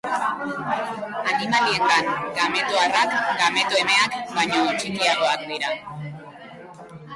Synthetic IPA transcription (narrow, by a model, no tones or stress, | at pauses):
animalieŋɡaŋɡame̞t̪oarakɡame̞t̪oe̞me̞akbaɲo̞t͡ʃikiaɣo̞ak̚d̪iɾa